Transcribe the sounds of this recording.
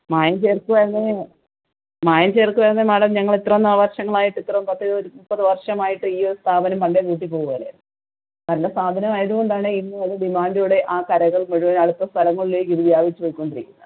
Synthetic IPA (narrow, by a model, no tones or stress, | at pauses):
maːjɐnt͡ɕeːrkuʋɐɐnːe | maːjɐnt͡ɕeːrkːuʋɐɾɐnːemɐɽɐmɲɐŋːɐɭit̪rɐmnaːʋɐrʂɐŋːɐɭaːjiʈːit̪ːrɐmpɐt̪ːɐðɨoɾuupːɐðɨʋɐrʂɐmaːjiʈːɨiːoɾust̪ʰaːbɐnɐmpɐɳɖekiːʈːipːo̞ːɣuʋɐleː | nɐndesaːd̪ʱɐnɐmaːjɐðuɣo̞ɳɖaːɳɨinːɨɐðɨɖimaːndjuɽe̞ʔaːkɐɾɐɣɐɭmeɻuʋɐnɐɽut̪ːɐst̪ʰɐlɐŋːɐɭileːkːiðuʋjaːʋit͡ɕːupojikʲːo̞ɳɖiɾikʲːunːɐ